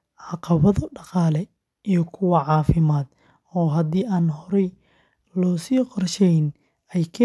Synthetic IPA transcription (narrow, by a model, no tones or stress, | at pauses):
ʕɑqɑβɐðɔɖɑqɑːlɛ | ijɞkʰʊwɑʕɑːfɪmaːd̪ | ɔːɦɐd̪iːaːnhɔɾɛj | lɔːsiːqɔrʃɛjn | ɛjkʰɛ